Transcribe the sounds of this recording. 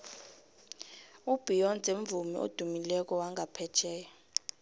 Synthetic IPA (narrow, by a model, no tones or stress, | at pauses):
ub̥ʱijɔnt͡sʼeɱvumḭʔo̰d̥ʱumilɛk̬ʼɔwaŋʱapʰɛt͡ʃʰɛːjɔ